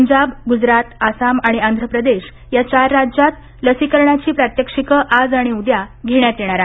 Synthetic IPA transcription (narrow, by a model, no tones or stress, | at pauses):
əɲd͡ʑabɡud͡zɾat̪asamaɽ̃iand̪ʱɾəpɾəd̪eɕ | jat͡ɕaɾːad͡ʑjat̪ | ləsikəɾɳat͡ɕiːpɾat̪jəkʂikəʔad͡zaɽ̃iud̪jaɡʱeɳjat̪jeɽ̃aɾa